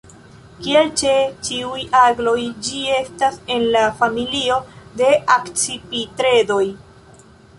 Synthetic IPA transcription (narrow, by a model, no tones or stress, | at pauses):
kielt͡ʃe̞t͡ʃiujaɡlo̞jd͡ʒie̞stase̞nlafamilio̞de̞ʔakt͡sipitɾe̞do̞j